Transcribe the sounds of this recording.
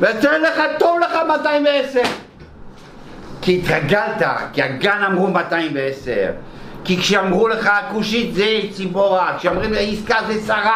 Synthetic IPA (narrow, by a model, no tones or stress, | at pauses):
veateʁleχat̪ovleχamat̪aimveeseʁ | kiːt̪ʁaɡalt̪a̰kiaɡanamʁumat̪ajimveesḛʁkikʃeamʁuleχaakuʃit̪zet͡siboʁakʃeamʁimleaiskazesaʁa